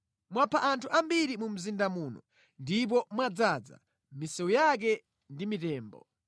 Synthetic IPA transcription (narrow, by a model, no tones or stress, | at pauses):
mwapʰaʔantʰuʔambiɾimum̩zindamuːnɔ | ndip̬ɔmwad͡zad͡za̰ | misɛujak̬ɛ | ndimitɛːmbɔ̰